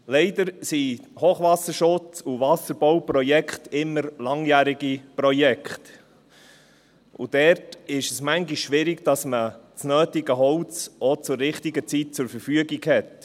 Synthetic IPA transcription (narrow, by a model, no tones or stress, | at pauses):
lɛɪdəɾsihoːχʋɑsəɾʃʊt͡suʋɑsəɾb̥ɔwpɾɔjɛkχt̪ɪmːəɾlɑŋjæːɾiɡipɾɔjɛkχt | ṵd̥ɛɾtɪʃəsmæŋɡiʃːʋɪɾɪɡd̥ɑsmət͡snøːtɪɡəɦɔwt͡sɔt͡sʊɾːɪχt̪iɡət͡sit̚t͡sʊɾfəɾfyəɡiɡhɛt